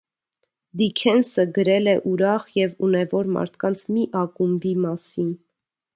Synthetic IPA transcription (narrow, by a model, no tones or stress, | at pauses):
d̪ikʰɛnsəɡəɾɛlɛʔuɾɑχjɛvunɛvɔɾmɑ̰ɾt̪ʰkɑnt͡sʰmiʔɑkumbimɑsin